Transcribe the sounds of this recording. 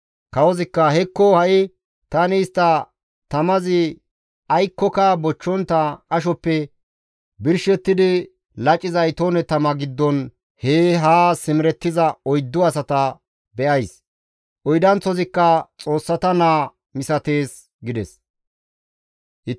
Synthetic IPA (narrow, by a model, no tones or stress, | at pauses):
kɐwɔzɪkːɐhɛkːɔhɐʔɪ | t̪ɐnɪːst̪ːɐ | t̪ɐmɐzɪ | ɐjkːɔkɐbɔt͡ʃːɔnt̪ːɐkʼɐʃɔpːɛ | bɪɾʃɛt̪ːɪd̪ɪ | lɐt͡ʃʼːɪzɐjt̪oːnɛt̪ɐmɐɡɪd̪ːɔn | heːɦaːsɪmɪɾɛt̪ːɪzɐɔjd̪ːʊɐsɐt̪ɐ | bɛʔɐjs | ʔɔjd̪ɐnt͡sːɔzɪkːɐt͡sʼo̞ːsːɐt̪ɐnaː | mɪsɐt̪e̞ːs | ɡɪd̪ɛs | ɪ